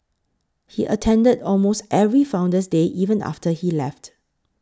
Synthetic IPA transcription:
hiʔə̰tʰɛ̃ndədɔlmostɛvɹifãʊ̃ndəs̬deʔivə̃na̰ftəhilɛft

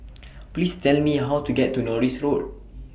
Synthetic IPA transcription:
plistɛlmiɦawtuɡɛtːunɔɹisɹod̚

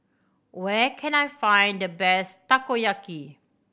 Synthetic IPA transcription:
wɛkʰɛ̃najfãjndəbɛstakojaki

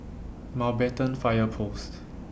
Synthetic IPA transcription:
mawbɛtə̃nfajəpʰost

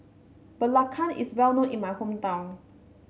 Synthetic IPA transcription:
bəlakʰanḭswɛlnõʔinmajhumt̪aw

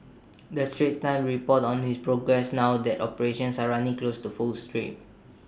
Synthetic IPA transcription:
dəstɹet̚tãɪ̃mɹipɔtɔ̃nhispɹoɡɹɛsnawdɛtɔpəɹeʃɔ̃nsaɹanĩŋklostufulstɹḭ̃m

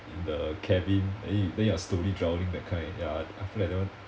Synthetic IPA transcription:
ĩndəkʰɛvĩnɛ̰dɛ̃njastoɹidɹawəlĩŋdɛt̚kʰãɪ̃njaafiladɛ̃wə̃n

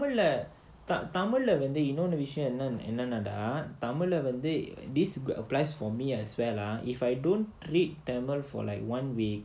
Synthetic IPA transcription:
amələ | t̪at̪aməlːəʋə̃nd̪ejunonəʋiʃə̃ənãnə̰̃nãnada̰t̪amələʋə̃nd̪ed̪isə̰plajsfɔmiɛswɛlaifajdõn | ɾit̚ːɛməlfɔ̰la̰ɪkwãnwik̚

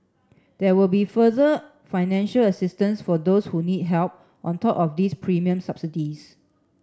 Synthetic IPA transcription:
d̥ɛwilbifəðə | faɪnɛ̃nʃələsɪstə̃nsfɔdoshunid̚ɦɛlp̚ | ʔɔ̃ntʰɔpɔfdispʰɹimiə̃msapsidis

